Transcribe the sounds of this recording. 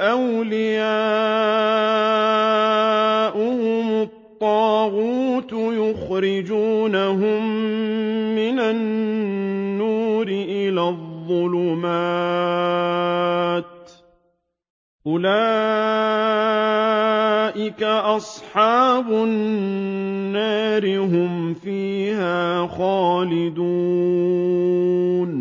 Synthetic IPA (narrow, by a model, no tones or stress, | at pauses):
ʔawlɪjaː | ʔʊhʊmʊt̪ˤːɑːɣuːt̪jʊxɾɪd͡ʒuːnaɦʊmː | ɪnanː | uːɾɪʔɪlaːðˤːʊlʊmaː | t̪ | ʔʊlaː | ʔɪkaʔɑsˤħɑːbʊ | nːaːɾɪɦʊmfiːhaːxaːlɪd̪uː | n